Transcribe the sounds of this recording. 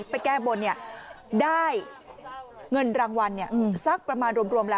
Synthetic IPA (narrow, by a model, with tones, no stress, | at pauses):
pa˧jkɛː˥˩bo˧nːi˥˩ɐ | daː˥˩j | ŋɤ˧nɾaː˧ŋwa˧nːi˥˩ɐʔɯː˧˩msa˦˥˩k̚pɾa˧maː˧nɾu˧əmɾu˧əmlɛː˦